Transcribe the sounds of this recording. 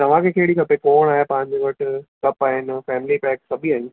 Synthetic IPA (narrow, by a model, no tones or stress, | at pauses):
t̪ɐʋ̤ãkʰekeːɽikɐpekoːɽ̃aːɦepãːɪ̃ɲd͡ʑeʋɐʈkɐpaːɦɪnɪfɛːmɪlipɛːksɐbʱiaːɦɪn